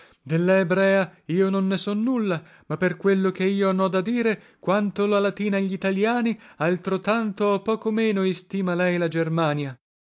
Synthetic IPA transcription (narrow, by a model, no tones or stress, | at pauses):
d̪elːaebɾɛːaiːononːesɔnːulːa | mapːerkwelːok̟eiːoanɔd̪ad̪iːɾe | kwant̪olalat̪iːnaʎːit̪aljaːnialt̪ɾot̪ant̪oopːɔːkomeːnoist̪iːmalɛjlad͡ʒermaːnja